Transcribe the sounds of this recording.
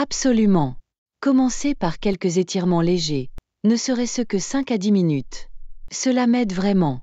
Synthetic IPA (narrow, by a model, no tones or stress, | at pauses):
absɔlymɑ̃ | kɔmɑ̃sepaʁkʲɛlkəzet̪ʰiʁmɑ̃leʒe | nəsəʁɛsəkəsɛ̃kad̪iminyt̪səlamɛd̪vʁɛmɑ̃